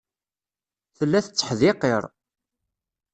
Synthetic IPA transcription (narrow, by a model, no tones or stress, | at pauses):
θəlːæθət͡sːə̥ħðɪqeɾˤ